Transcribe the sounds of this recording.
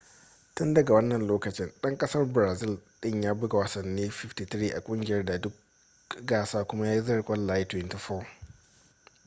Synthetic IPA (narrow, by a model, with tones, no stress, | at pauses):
tʊ˦ndɐ˨ɡa˨wɐ˦nːɐ˨nloː˦kɐ˨t͡ʃɪ˦nɗɐ˦ŋkʼɐ˦sɐ˦rbɪ˨ɾaː˨zɪ˦lɗɪ˦˨ɲjaː˦bʊ˦ɡa˨wɐ˨sɐ˨nːiː˦ɸɪ˦ftiː˨t̪ɾiː˦ʔa˨kʷʼʊ˦ŋɡʲɪ˨jɐ˦rda˨dʊ˦k̚ | ɡaː˦˨saː˦kʷʊ˦ma˦jaː˦i˦zɐ˦˨kʷʼɐ˦lːaː˦ji˦twɪ˦nti˨fɔː˦˨